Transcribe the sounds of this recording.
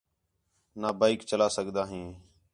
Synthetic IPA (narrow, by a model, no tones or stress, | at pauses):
naːbaːikt͡ʃəlaːsəɡd̪aːɦĩː